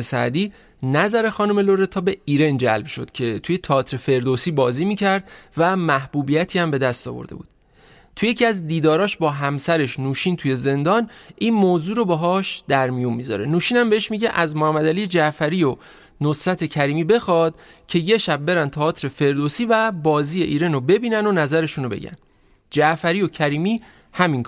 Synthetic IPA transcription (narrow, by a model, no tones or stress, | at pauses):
sæ̰d̪iː | næzæɾe̞xɒːnome̞loɾet̪ʰɒːbe̞iːɾe̞nd͡ʒæ̰lb̥ʃo̞̰d̪̥cʰe̞t̪ʰuje̞t̪ʰɒːt̪ʰɾefe̞ɾd̪osiːbɒːziːmiːcʰæɾd̪̥væmæhb̥uːbijæt̪ʰiːæmbe̞d̪æst̪ɒ̰ːvo̰ɾd̪e̞̰bṵːd̪̥̚ | t̪ʰujecʰiæzd̪iːd̪ɒːɾɒːʃbɒːɦæmsæɾe̞ʃnuːʃint̪ʰuje̞ze̞nd̪ɒːnʔiːnmoːzuːɾobeɦɒːʃd̪æɾmijunmizɒ̰ɾe̞̰nuːʃiːnæmbeeʃmiɟeʔæzmohæmːæd̪ælid͡ʒæʔfæɾiːjo | nosɾæt̪ʰe̞cʰæɾiːmiːbe̞xɒːd̪̥̚cʰe̞je̞ʃæb̚ːe̞ɾænt̪ʰɒɒːt̪ʰɾe̞fe̞ɾd̪osiːvæbɒːziːjeʔiːɾenobe̞biːnænonæzæɾe̞ʃunobeɟæ̰n | d͡ʒæʔfæɾijo̞cʰæɾiːmiː | hæmiŋ